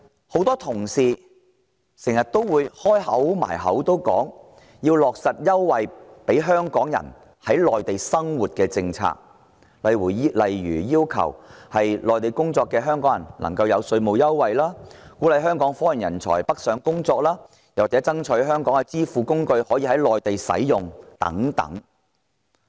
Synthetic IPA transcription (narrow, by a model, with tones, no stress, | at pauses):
ho˨˥wt̪ɔː˥t̪ʰʊ˨˩ŋsiː˨ | sɪ˨˩ŋjɐ˨t̚t̪o˥wwuː˨˧jhɔː˥jhɐ˨˥wma̰ː˨˩jɦɐ̰˨˥wt̪o˥wkɔ̰ː˨˥ŋ | jiː˧wlɔː˨k̚sɐ˨t̚jɐ˥wːɐ˨jpe˨˥jɦœː˥ŋkɔː˨˥ŋjɐ̰˨˩n | hɐ˨˥jlɔː˨jt̪e˨jsɐ˥ŋwuː˨t̚kɛː˧t͡sɪ˧ŋt͡sʰa̰ː˧k̚ | lɐ˨jwuː˨˩lɐ˨˩jɥyː˨˩jiː˥wkʰɐ̰˨˩whɐ˨jlɔː˨jt̪e˨˩jkʊ˥ŋt͡sɔː˧kːɛː˧ɦœː˥ŋkɔː˨˥ŋjɐ̰˨˩nlɐ̰˨˩ŋkɐ˧wjɐ˨˧wsɵ˧ɥmo˨wjɐ˥wwɐ˨jlaː˥kuː˨˥lɐ˨˧jɦœː˥ŋkɔː˨˥ŋfɔː˨˥jɪ˨˩njɐ˨˩nt͡sʰɔ̰ː˨˩jpɐ˥k̚sœː˨˧˥ŋkʊ˥ŋt͡sɔː˧k̚laː˥ | jɐ˨waː˨t͡sɛː˨˥t͡sɐ˥ŋt͡ʃʰɵ˨˧˥ɦœː˥ŋkɔː˨˥ŋkɛ˧t͡siː˥fuː˨˧kʊ˥ŋkɵ˧ɥhɔː˨˥jiː˧ɦɐ˨˥jlɔː˨jt̪e˨jsɐ̰˨˥jjʊ˨ŋt̪ɐ̰˨˥ŋt̪ɐ̰˨˥ŋ